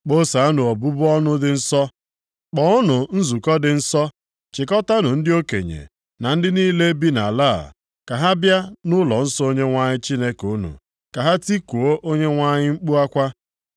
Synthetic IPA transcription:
k͡po˦sa˨a˦nʊ˨o˨bu˦bʊ˦ɔ˦nʊ˦dɪ˨n̩˦sɔ˦ | k͡pɔ˨˦ʊ˦nʊ˨n̩˦zu˨kɔ˦dɪ˨n̩˦sɔ˦ | t͡ʃɪ˨kɔ˦ta˦nʊ˨n̩˦dɪ˦o˦kḛ˨ɲḛ˨ | na˨n̩˦dɪ˦niː˦le˦bi˦na̰˨la̰ː˦˨ | ka˨ɦa˦bja˦nʊ˦lɔ˨n̩˦sɔ˦o˦ɲe˦ŋʷa˦ɲɪ˦t͡ʃi˦ne˦ku˦nṵ˨ | ka˨ɦa˦ti˦ku˨o˦ʔo˦ɲe˦ŋʷa˦ɲɪ˦ŋ͡m̩˦k͡pu˦a˦kʷa˦

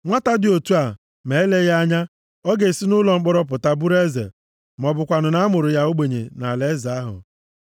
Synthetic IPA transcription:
ŋʷa˦ta˦dɪ˨o˨tu˦a˨ | me˨e˦le˦ɣa˦ɲa˦ | ɔ˦ɡe˨si˦nʊ˦lɔ˨ŋ͡m̩˦k͡pɔ˦ɾɔ˦p̬ʊ˨ta˦bu˦ɾe˦zḛ˨ | m˨ɔ˨bʊ˨kʷa˨nʊ˨na˦mʊ˨ɾʊ˨ja˦o˦ɡ͡be˨ɲḛ˨na˨le˦za˨a˦ɦʊ̰˨

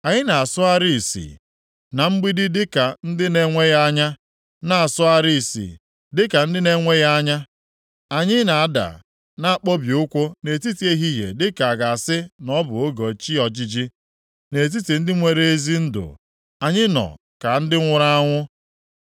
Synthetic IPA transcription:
a˨ɲɪ˦na˨a˨sʊ˦a˦ɾi˦i˨sḭ˨ | na˨ŋ͡m̩˦ɡ͡bi˦dɪ˦dɪ˦ka˨n̩˦dɪ˦ne˦ŋʷe˦ɣa˦ɲa˦ | na˨a˨sʊ˦a˦ɾi˦˨sḭ˨ | dɪ˦ka˨n̩˦dɪ˦ne˦ŋʷe˦ɣa˦a˦ɲa˦ | a˨ɲɪ˦na˨a˨da̰˨ | na˨a˨k͡po˦bi˨ʊ˦kʷʊ˦ne˨ti˦ti˦e˦ɦi˦ɦjḛ˨dɪ˦ka˨a˨ɡa˨a˨sɪ˦nɔ˦bʊ˨o˦ɡo˨t͡ʃi˦ɔ˨d͡ʒi˦d͡ʒi˦ | ne˨t̬i˦ti˨n̩˦dɪ˦ŋʷe˨ɾe˦e˦zi˦n̩˦dʊ̰˨ | a˨ɲɪ˦nɔ̰˨ | ka˨n̩˦dɪ˦ŋʷʊ˦ɾa˦a˦ŋʷʊ˦

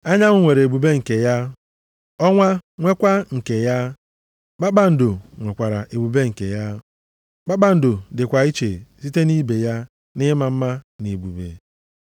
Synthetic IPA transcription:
a˦ɲa˦ŋʊ˦ŋʷe˨ɾe˨bu˨be˦ŋ̩˨ke˨ja˦ | ɔ˦ŋʷa˦ŋʷe˦kʷa˦ŋ̩˨ke˨ja˦ | k͡pa˦k͡pa˨n̩˨dʊ˨ŋʷe˨kʷa˨ɾa˨ʔe˨bu˨be˦ŋ̩˨ke˨ja˦ | k͡pa˦k͡pa˨n̩˨dʊ˨dɪ˨kʷa˨i˦t͡ʃe˨si˦te˦ni˦be˨ja˦ | nɪ˦ma˨m̩˦ma˦ne˨bu˨bḛ˨

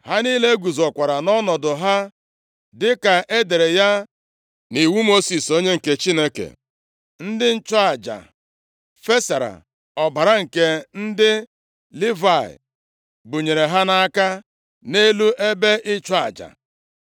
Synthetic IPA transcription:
ha˦ni˦le˦ɡʷu˨zɔ˨kʷa˨ɾa˨nɔ˦nɔ˨dʊ˨ɦa˦ | dɪ˦ka˨ʔe˦de˨ɾe˨ja˦ | ni˨wu˦mo˦si˨so˦ɲe˦ŋ̩˨ke˦t͡ʃi˦ne˦kḛ˨ | n̩˦dɪ˦n̩˦t͡ʃa˨d͡ʒa̰˨ | fe˦sa˨ɾa̰˨ | ɔ˨ba˨ɾa˦ŋ̩˨ke˦n̩˦dɪ˦ | li˦va˨ɪ̰˨ | bu˨ɲe˨ɾe˨ɦa˦na˦a˦ka˦ | ne˦lu˦ʔe˦be˦ʔɪ˦t͡ʃɔ˦a̰˨d͡ʒa̰˨

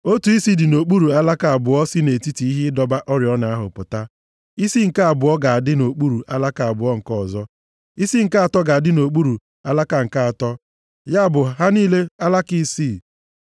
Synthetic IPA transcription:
o˦tu˨i˦si˦dɪ˨no˨k͡pu˦ɾu˨a˦la˦ka˨a˨bʊ˨ɔ˦si˦ne˨ti˦ti˨i˦ɦɪ˦dɔ˦ba˦ʔɔ˦ɾjɔ˦na˨a˦ɦʊ̰˨pʊ˨ta˦ | i˦si˦ŋ̩˨ka˦a˨bʊ˨ɔ˦ɡa˨a˨dɪ˦no˨k͡pu˦ɾu˨ʔa˦la˦ka˨a˨bʊ˨˦ɔ˦ŋ̩˨kɔ˦ɔ˨zɔ˦ | i˦si˦ŋ̩˨ka˦a˨tɔ˦ɡa˨a˨dɪ˦no˨k͡pu˦ɾu˨ | a˦la˦ka˨ŋ̩˨ka˦a˨tɔ˦ | ja˦a˦˨bʊ˨ɦa˦niː˦le˦a˦la˦ki˦si˦˨

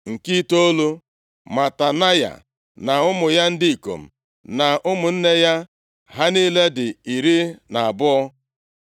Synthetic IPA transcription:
ŋ̩˨ki˦to˦o˦lu˦ | ma˨ta˨na˦ja̰˨ | na˨ʊ˦mʊ˨ja˦n̩˦di˦i˨ko̰˨m̩˨ | na˨ʔʊ˦mʊ˨n̩˦ne˦ja˦ | ɦa˦niː˦le˦dɪ˨i˨ɾi˦na˨a˨bʊ˦ɔ˦

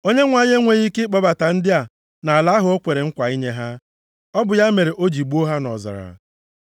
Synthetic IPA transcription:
o˦ɲe˦ŋʷa˦ɲe˦ŋʷe˨ɣi˦ke˦k͡pɔ˦ba˨ta˨n̩˦dɪ˦a˨ | na˨a˨la˨˦ɦʊ˨˦o˦kʷe˨ɾe˨ŋ̩˦kʷa˨i˦ɲe˦ɦa˦ | ɔ˦bʊ˨ja˦me˨ɾe˨ʔo˦d͡ʒi˨ɡ͡bu˦o˦ɦa˦nɔ̰˨za̰˨ɾa̰˨

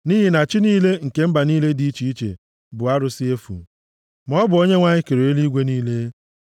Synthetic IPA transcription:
niː˦ɦi˨na˨t͡ʃɪ˦niː˦le˦ŋ̩˨ke˦m̩˦ba˨niː˦le˦di˨˦i˦t͡ʃi˨i˦t͡ʃḛ˨ | bʊ˨a˦ɾʊ˨si˦e˦fṵ˨ | mɔ˦bʊ˨o˦ɲe˦ŋʷa˦ɲɪ˦ke˨ɾe˨e˦li˦ɡʷe˦niː˦le˦

